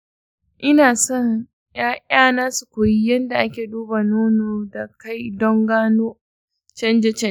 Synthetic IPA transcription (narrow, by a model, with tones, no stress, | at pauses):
ʔɪ˦naː˨sɔ˦ŋ | jʔaː˦ʔʼaː˦naː˦su˨kʷoː˨ji˦jɐ˦nda˨ʔa˦kʲeː˨duː˦ba˨noː˦noː˨da˨ka˦˨jdɔ˦ŋɡaː˦noː˦ | t͡ʃɐ˦nd͡ʒɛ˦t͡ʃɛ˦